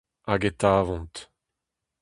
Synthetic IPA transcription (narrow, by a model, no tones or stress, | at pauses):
aɡet̪aːvɔ̃nt̪